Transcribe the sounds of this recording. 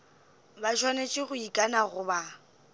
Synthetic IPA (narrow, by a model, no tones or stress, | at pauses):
bat͡ʃʰwanet͡ʃʼɪɣʊikʼanaɣʊba